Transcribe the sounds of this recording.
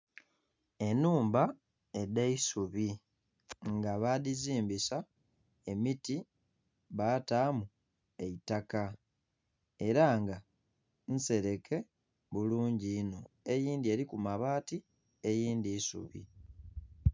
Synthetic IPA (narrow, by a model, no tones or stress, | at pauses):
e̞nuːmba | e̞deisuβi | ŋɡaβaðiziːmbisa | e̞miti | βaːtaːmu | e̞itaka | e̞ɾaŋɡa | n̩se̞ɾe̞kʰe̞ | βuluːɲɟiːno̞e̞jiːndie̞ːɾikumaβaːti | e̞jiːndiːsṵβḭ